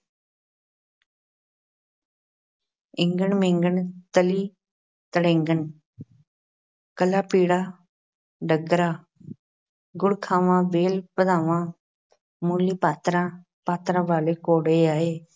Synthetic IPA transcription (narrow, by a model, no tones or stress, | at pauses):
ɪ̃ŋɡəɳmẽːŋɡəɳt̪əliː | t̪əɽẽːŋɡəɳ | kəlaːpiːɽaː | ɖəɡɾaː | ɡʊɽkʰaːʋãːʋeːlpəd̪ãːʋãː | muːlːiːpaːt̪ɾãː | paːt̪ɾãːʋaːleːkoːɽeːaːeː